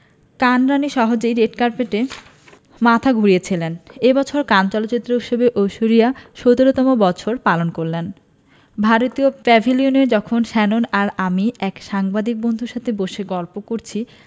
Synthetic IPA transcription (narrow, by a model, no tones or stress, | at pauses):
kanɾaniʃɔɦod͡ʑejɾeʈkaɾpeʈe | mat̪ʰaɡʱuɾijet͡ɕʰilenebɔt͡ɕʰoɾkant͡ɕɔlotːt͡ɕit̪ːɾouʃebeʔowʃoɾijaʃot̪oɾot̪ɔmobɔt͡ɕʰoɾpalonkoɾlen | bʱaɾot̪iopɛbʱilioneɾd͡ʑɔkʰonʃɛnonaɾamiɛkʃaŋbad̪ik̚bond̪ʱuɾʃat̪ʰeboʃeɡɔlpokoɾt͡ɕʰi